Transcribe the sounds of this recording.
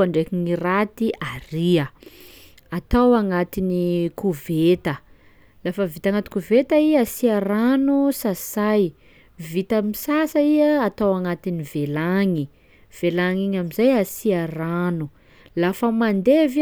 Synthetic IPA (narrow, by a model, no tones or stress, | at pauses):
aɳɖ͡ʐekiŋirat̪iʔariə | at̪awaŋat̪inikuvet̪ə | lafəvit̪aŋat̪i̥kuvet̪aiasiaɾanusasaj | vit̪əmisasəiəːt̪awaŋat̪inivelaŋi | v̥elaŋiɲamizajasiaranu | lafəmand̪ev